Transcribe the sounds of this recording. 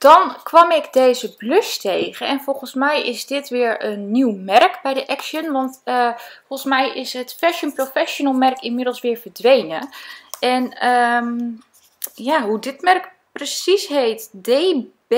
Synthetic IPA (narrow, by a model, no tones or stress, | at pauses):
d̥ɔnkʋɑmɪkdeːzəbløstʰejɣəɛnfolˠɣənsmɛjɪzdɪtʋɪəɹənːiwmɛrkbɛjdəʔɛksjənʋɔntəfoəsmɛjʔɪsətfɛʃənprofɛʃonəlˠmɛrkɪnmɪdəlˠsʋɪːɹvəɹdʋejnəɛnə | jaɦudɪtmɛrk | prəsisɦheːtdeb